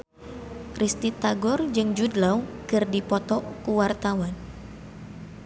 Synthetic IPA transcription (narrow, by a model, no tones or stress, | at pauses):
rʔist̪it̪aɡɔrd͡ʒɨŋd͡ʒudlawkɨrdipɔt̪ɔkuwart̪awan